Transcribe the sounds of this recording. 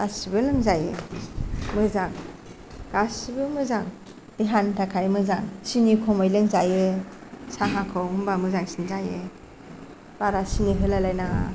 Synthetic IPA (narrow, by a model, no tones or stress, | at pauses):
ɡasibɯlɯŋzaje | mɯzaŋ | ɡ̥asibɯmɯzaŋ | d̥iɦantʰakʰajmɯzaŋsinikʰɔmɔjlɯŋzajɯsaɦakʰɯwumbamɯzaŋsinzaje | b̥aɾasiniɦɯlalajnaŋa̰